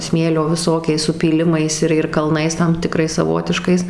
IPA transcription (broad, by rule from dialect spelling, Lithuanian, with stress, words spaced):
ˈsʲmʲeːlʲoː ʋʲɪˈsoːkʲɛɪs sʊpʲiːˈlʲɪmɐɪs ɪr ɪr kɐlˠˈnɐɪs tɐm tʲɪˈkrɐɪs sɐˈʋoːtʲɪʃkɐɪs